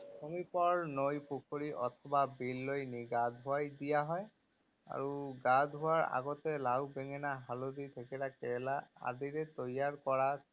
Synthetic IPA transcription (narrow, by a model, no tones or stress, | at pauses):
sʰomipɔɹnojpukʰoɹiʔɔtʰɔbabilːojniɡadɦʊajdijaɦɔj | a̰ɹuɡadʱɦʊwaɹa̰ɡɔtɛlawbɛŋɛnaɦalodit̪ʰekɛlakɛlaa̰diɹɛt̪ojaɹkɔɹa